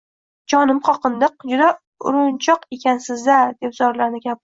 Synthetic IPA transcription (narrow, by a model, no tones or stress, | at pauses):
d͡ʒɒnɪmqʰɒqɨnd̪ɨqd͡ʒʊd̪a | ʊ̰ɾʊnt͡ʃʰɒqekʲansɪzd̪ad̪e̞pzɒɾlaɾnɪkʲap